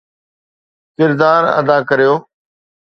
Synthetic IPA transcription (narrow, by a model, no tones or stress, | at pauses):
kɪɾd̪aːɾə̰d̪aːkəɾijoː